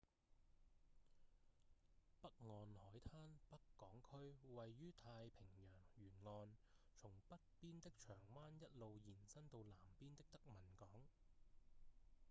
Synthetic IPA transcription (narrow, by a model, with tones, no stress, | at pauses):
pɐ˥k̚ŋɔː˧nhɔː˨˥jt̪ʰaː˥npɐ˥kːɔː˨˥ŋkʰɵ˥ɥwɐ˨jːyː˥t̪ʰaː˧jpʰɪ˨˩ŋjœː˨˩ŋjyː˨˩nŋɔː˧nt͡ʃʰʊ˨˩ŋpɐ˥t̚piː˥nt̪ɪ˥k̚t͡ʃʰœː˨˩ŋwaː˥njɐ˥t̚lo˨˧wjiː˨˩nsɐ˥nt̪o˧wlaː˨˩mpiː˥nt̪ɪ˥k̚t̪ɐ˥k̚mɐ˨˩nkɔː˨˥ŋ